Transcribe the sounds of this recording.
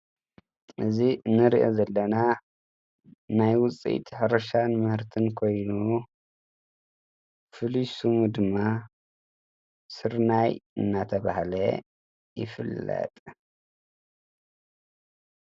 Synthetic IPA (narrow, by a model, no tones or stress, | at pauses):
ʔɨzinːɨɾiʔozɐlːɐna | najwʊt͡sʼḭt̪ʰħɨɾɐʃanmɨhɨɾt̪ʰɨnkʰo̞jnu | fɨliʃumud̪ɨmːa | sɨɾnajɨ̰nːat̪ʰɐβahlɐ | jɪ̰fɨlːɐ̰t̪ʼ